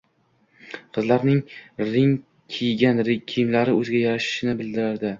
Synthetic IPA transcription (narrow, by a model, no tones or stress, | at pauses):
qʰɨzlaɾnɪŋɾɪŋ | kʲʰejɡʲanɾɪkʲʰijɪmlaɾɪɵzɪɡʲajaɾaʃɪ̥ʃɪnɪbɪld̪ɪɾaɾd̪ɪ